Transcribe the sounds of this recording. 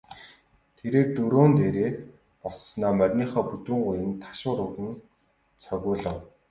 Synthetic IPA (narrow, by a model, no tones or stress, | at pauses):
t̪ʰeɾeːrt̪ɵɾoːnt̪eːɾeː | pɔsnɔːmœrʲniːχɔːput̪ŭːɴɢʊjɘ̆nt̪ʰḁʃʊːɾʊɣɘ̆n | t͡sʰœɣʲʊːɮə̆w